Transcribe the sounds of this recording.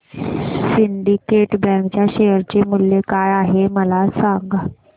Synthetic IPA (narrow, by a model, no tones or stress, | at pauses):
siɳɖikeʈbɛ̃ŋkt͡ɕjaɕejəɾt͡ɕemʊljekajaɦeməlasãŋɡa